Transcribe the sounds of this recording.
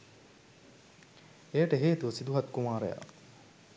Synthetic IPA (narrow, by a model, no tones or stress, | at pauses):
ejəʈəɦeːt̪uʋəsid̪uɦɐt̪̚kumaːɾḛja̰ː